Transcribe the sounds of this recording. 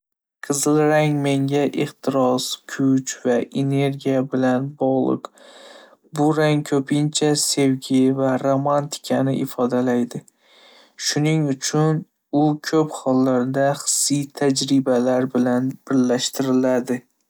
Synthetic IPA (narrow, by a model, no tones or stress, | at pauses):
qʰɨzɪlˠɾaŋme̞ŋʲaʔɪχt̪ʰɪɾɒskʰʊt͡ʃvaʔene̞ɾɡʲijabɪlanbɒʁlˠɨ̰q | bʊɾaŋkʰɵpʰɪnt͡ʃʰase̞wɡʲɪvaɾomant̪ʰɪ̥kʲʰanɪʔɪfɒd̪alajd̪ɪ | ʃʊnɪŋʊt͡ʃʰʊn | ʊkʲʰɵphɒlːaɾd̪aχɨ̥sɪjt̪ʰad͡ʒɾɪbalaɾbɪlanb̥ɪɾlaʃt̪ʰɪɾɪlad̪ɪ